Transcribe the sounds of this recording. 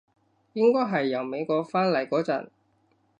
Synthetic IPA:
jɪ˥ŋkɔː˥jɦɐ˨jːɐ˨˩wme˨˧jkɔː˧k̚faː˥nlɐ˨˩jkɔː˨˥t͡sɐ̰˨˩n

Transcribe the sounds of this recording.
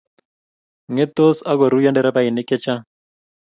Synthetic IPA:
ŋɛ˦t̪o˦sa˦ɡɔ˨ɾu˦ja˦ndɛ˦ɾa˦pa˦ɪ˨nɪ˦kɛ˦t͡ʃa˦

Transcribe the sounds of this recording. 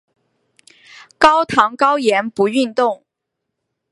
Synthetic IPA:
kɑ˥ʊt̪ʰɑ˧˥ŋkɑ˥ʊjɛ˧˥npu˨˧˥y˥˧nt̪ʊ˥˩ŋ

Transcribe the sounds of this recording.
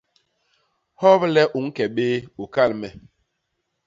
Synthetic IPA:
hɔ˦blɛ˦ʔu˨˦ŋ˦kɛ˨ɓeː˦u˨ka˦˨lmɛ˨

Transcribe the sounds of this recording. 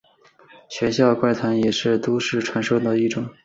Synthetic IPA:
ɕɥɛ˧˥nɕ̬jɑ˥˧ʊkwa˥˩ɪt̪ʰwa˧˥njɛ˨˩ʂɻ̩˥˩t̪o˥ʊʂɻ̩˥˩ʈ͡ʂʰwa˧˥nʂo˥˧ʊt̪ɑ˥˧ʊi˥˩ʈ͡ʂʊ˨˩˦ŋ

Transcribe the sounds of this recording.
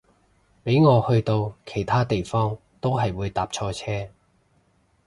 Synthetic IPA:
pe˨˥jŋɔː˨˧hɵ˧ɥt̪o˧wkʰe˨˩jt̪ʰaː˥t̪e˨jfɔː˥ŋ | t̪o˥wɦɐ˨jwuː˨˧jt̪aː˨p̚t͡ʃʰɔː˧t͡sʰɛː˥

